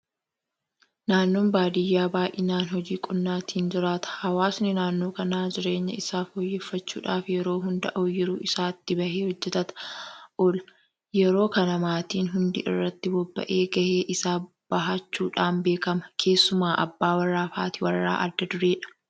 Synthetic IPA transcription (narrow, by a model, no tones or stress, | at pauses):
naːnːoːnbaːd̪ɪjːaːbaːʔɪnaːnhɔd͡ʒiːkʼʊnːaːt̪ʰiːnd͡ʒɪɾaːt̪ɐ̥hɐwaːsnɪnaːnːo̞ːkɐnaːd͡ʒɪɾe̞ːɲːɐ̰ɪsaːfoːjːɛfːɐt͡ʃːṵːᶑaːfjɛɾo̞ːɦʊnd̪ɐʔoːjːɪɾuːʔɪsaːt̪ːɪbɐheːhɔd͡ʒːɛt̪ɐt̪ɐ̥ʔɔl | jɛɾo̞ːkɐnɐmaːt̪iːnɦʊnd̪ɪʔɪ̰rːɐt̪ːɪbɔbːɐ̰ʔeːɡɐheːʔɪsaː | b̥ɐɦat͡ʃːuːᶑaːnbeːkɐmɐkʰe̞ːsːʊmaːʔɐ̰bːaːwɐrːaːfa̰ːt̪ɪwɐrːa̰ːʔɐd̪ːɐd̪ʊɾeːᶑɐ̥